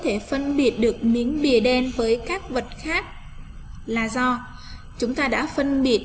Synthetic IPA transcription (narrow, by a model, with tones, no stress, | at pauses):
t̪ʰe˧˩fə˧nɓi˨˩ət̚ɗɨ˨˩ək̚mi˨˦ənɓi˨˩əɗɛ˧nvəː˨˦jkaː˦˥k̚və˨˩t̚xaː˦˥k̚ | laː˨˩zɔ˧ | t͡ɕʊ˨˦ŋ͡mt̪aː˧ɗa̰ː˧˥fə˧nɓi˨˩ət̚